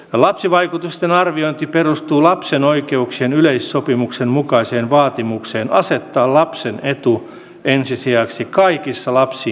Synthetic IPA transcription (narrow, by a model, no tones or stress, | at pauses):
ɑlɑpsiʋɑikut̪ust̪enɑrʋioint̪iperust̪uːlɑpsenoikeuksienyleisːopimuksemmukɑiseːnʋɑːt̪imukseːnʔɑset̪ːɑːlɑpsenet̪u | ensisiæksikɑikisːɑlɑpsiː